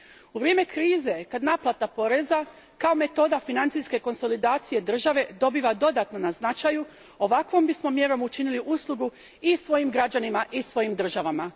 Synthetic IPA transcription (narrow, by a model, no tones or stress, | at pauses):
uʋɾjeme̞kɾiːze̞kad̪naːplˠat̪apo̞ɾe̞za | kao̞me̞t̪o̞d̪afinant̪siske̞ko̞nso̞lid̪aːt̪sije̞d̪r̩ʒaʋe̞d̪o̞biːʋad̪o̞d̪at̪no̞naznat͡ʃaju | o̞ʋakʋo̞mbismo̞mje̞ɾo̞mut͡ʃiniliʔuslˠuɡu | isʋo̞jimɡɾad͡ʑanimaʔisʋojimd̪r̩ʒaʋama